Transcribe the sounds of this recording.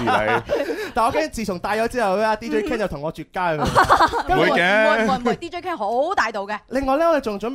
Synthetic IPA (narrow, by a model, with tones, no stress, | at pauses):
t̪aː˨jŋɔː˨˧kɛː˥ŋt͡siː˨˩tʰʊ˨˩ŋt̪aː˨˧jɔː˨˥t͡siː˥hɐ˨˩waː˧t̪iː˥t͡ʃɵ˥kʰɛː˥njɐ˨wt̪ʊ˨˩ŋɔː˨˧t͡syː˨t̚kːaː˥kɐ˧˥mː˧kɐ˥uː˨˧jkɛː˨˧˨u˨˧jm˨˧jt̪iː˥t͡ʃɵ˥jkʰɛː˥ŋɦo˨˥wt̪aː˨jt̪o˨wkɛ˧lɪ˨˧ŋːɔː˨˧lɛː˥ŋɔː˨˧d̪jt͡ʃʊ˨ŋt͡sɔ˨˥